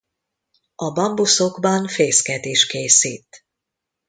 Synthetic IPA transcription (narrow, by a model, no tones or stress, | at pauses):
ɒbɒmbuso̞ɡbɒnfeːskɛd̪eːʃkeːsiːt̪